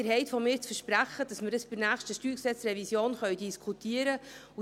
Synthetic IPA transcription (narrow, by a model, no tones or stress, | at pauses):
əɾɦɛɪtfɔmɪːɾt͡sfəɾʃpɾæχəd̥ɑsməɾəsb̥əɾnæːχʃtəʃtyːksɛt͡srɛvisjoːnχœɥdiskʰut̪iəɾəu